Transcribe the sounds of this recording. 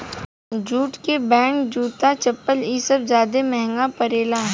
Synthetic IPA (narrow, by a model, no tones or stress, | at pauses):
d͡ʒuːʈkebɛ̃ːŋkd͡ʒuːt̪at͡ʃɐpːəlisəbzjaːd̪emɛɦŋɡapəɾeːlaɦ